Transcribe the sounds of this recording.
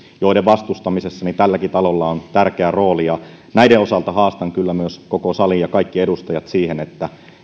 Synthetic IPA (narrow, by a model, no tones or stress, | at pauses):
joideʋʋɑst̪ust̪ɑmisesːɑnit̪ælːækit̪ɑlolːɑont̪ærkeæro̞ːlijɑ | næideo̞sɑlt̪ɑhɑːst̪ɑŋkylːæmyøskokosɑlijɑkɑikːiedust̪ɑjɑt̪siːhenet̪ːæ